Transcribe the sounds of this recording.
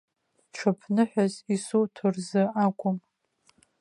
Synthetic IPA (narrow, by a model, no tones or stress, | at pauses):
ʈ͡ʂʷʰapʰnɨħʷᶣazisutʰʊrzɨakʷʼʊm